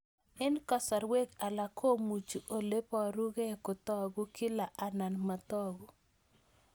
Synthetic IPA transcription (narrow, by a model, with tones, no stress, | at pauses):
ɛ˦nkɔ˦sa˨ɾwe˦ka˨la˨kʰo˦mu˨t͡ʃu˨ʔo˨le˦pɔ˨ɾu˦ɡe˦kʊ˨t̪ɔ˦ɡu˦ki˦la˨ʔa˨na˨nma˨t̪ɔ˦ɡu˨